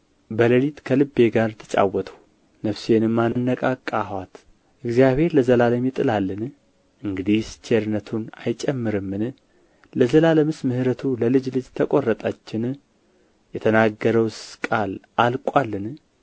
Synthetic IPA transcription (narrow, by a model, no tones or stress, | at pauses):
bələlit̪kʰəlɨbːe̞ɡaɾt̪ʰɨ̥t͡ʃʼa̰wɔt̪ʰəw | nəfsenɨmːannːəkʼakʼːahwat̪ | ʔɨɡzijaβhe̞ɾləzəlaləmjɪt̪ʼɨlalːɨn | ʔɨŋɡɨd̪ist͡ʃʰeɾnət̪ʰuna̰jt͡ʃʼɛmːɨɾɨmːɨn | ləzəlaləmɨsmɨhɨɾət̪ʰuləlɨd͡ʒlɨd͡ʒt̪ʰəkʼorːət̪ʼat͡ʃːɪn | jɛt̪ʰənaɡːəɾəwskʼalʔalkʷʼwalːɨn